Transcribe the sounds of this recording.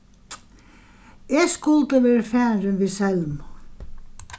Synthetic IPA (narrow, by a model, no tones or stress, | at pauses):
eːskʊlt̪əʋeːɾfæːɾənʋiːsɛlm